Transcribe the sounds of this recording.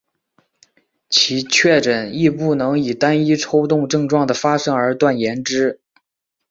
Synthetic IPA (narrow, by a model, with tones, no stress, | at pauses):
t͡ɕʰi˧˥t͡ɕʰɥɛ˥˩ʈ͡ʂə˨˩ni˥˧pu˥˩nɤ˧˥ŋi˨˩t̪a˥ni˥ʈ͡ʂʰo˥ʊt̪ʊ˥˧ŋʈ͡ʂɤ˥˧ŋʈ͡ʂwɑ˥˩ŋd̪ə˩fa˥ʂɤ˥ŋə˞˧˥t̪wa˥˩njɛ˧˥nʈ͡ʂɻ̩˥